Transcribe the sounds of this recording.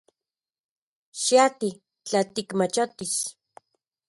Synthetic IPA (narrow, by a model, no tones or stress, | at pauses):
ʃiat̪i | t͡ɬat̪ikmat͡ʃot̪is